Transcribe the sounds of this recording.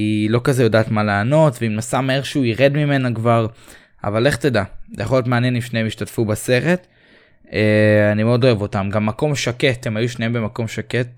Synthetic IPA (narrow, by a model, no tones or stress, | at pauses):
ilo̞kazejodaːtmaleːno̞tveimnasamaeʁʃuiʁedmime̞nakvaʁ | a̰vale̞χt̪edazejaχojo̞t̬meanjenimʃnejemiʃtatfubase̞ʁe̞t | eanimeo̞dlo̞e̞vo̞tamɡamːako̞mʃakethemajuʃneembe̞mako̞mʃaket̚